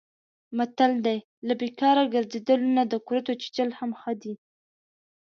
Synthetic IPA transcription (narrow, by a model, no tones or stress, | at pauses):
mat̪ald̪aj | labekɑɾaɡəɾzed̪əlonad̪əkuɾat̪ot͡ʃi̥t͡ʃəlhamxəd̪i